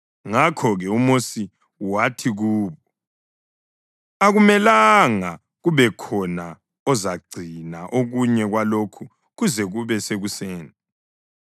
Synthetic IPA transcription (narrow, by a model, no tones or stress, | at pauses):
ŋakʰɔɣɛumosi | watʰiɣuːβɔ | aɣumɛlaŋa | ɣuβɛkʰɔna | ɔzaɡ͡ǀʱinaʔoɣuɲɛɣwalokʰu | ɣuzɛɣuβɛseɣuseːni